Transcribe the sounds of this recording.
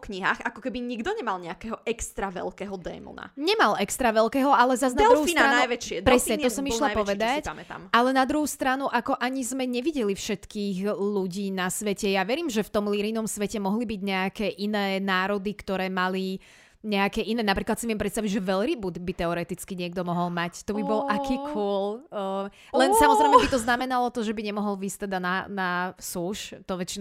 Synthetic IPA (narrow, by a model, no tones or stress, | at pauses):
kɲiɦa̰ːxakɔkɛbiɲiɡd̪ɔɲɛmalɲɛakɛɦɔʔɛkst̪ɾaʋɛ̰lkɛɦɔd̪ɛ̰ːmɔ̰na̰ɲɛmalʔɛkst̪ɾaʋɛlkɛːɦɔalɛzaznaɛdlɾuhuinaanajʋɛt͡ʃɪɛpɾɛsɲɛɔsɔmiʃlapɔʋɛd̪acamɛt̪a̰malɛnad̪ɾuɦust̪ɾanuʔakɔʔaɲizmɛɲɛʋiɟɛlifʃɛt̪kiːɣluɟiːnasʋɛcɛjaʋɛɾiːmʒɛft̪ɔmliɾinɔmsʋɛcɛmɔɦlibiɟɲɛakɛːʔinɛːnaːɾɔd̪ikt̪ɔɾɛːmali | ɲɛakɛːʔinɛːnapɾiːklat̪simɛmpɾɛt̪st̪aʋiɟʒɛʋɛlɾibud̪bit̪ɛɔɾɛt̪it͡skiɲɪɛɡd̪ɔmɔɦɔlmact̪ɔbibɔlʔakiːkʰuɔl | lɛnsamɔzɾɛɪmɛbit̪ɔznamɛnalɔt̪ɔʒɛbiɲɛmɔɦɔlʋiːst̪ɛd̪ananasuʃt̪ɔʋɛt͡ʃin